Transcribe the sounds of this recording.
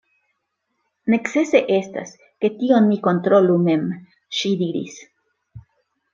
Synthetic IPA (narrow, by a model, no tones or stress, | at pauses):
nekse̞se̞ʔe̞sta̰s | ke̞t̪io̞nːiko̞nt̪ɾo̞lume̞m | ʃid̪iɾḭs